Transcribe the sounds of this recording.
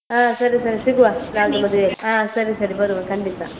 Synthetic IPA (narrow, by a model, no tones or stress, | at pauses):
ɦaːsɐɾisɐɾisiɡuʋɐnaːɡumɐd̪uʋeɦaːsɐɾisɐɾibɐɾuʋɐkɐɳɖit̪a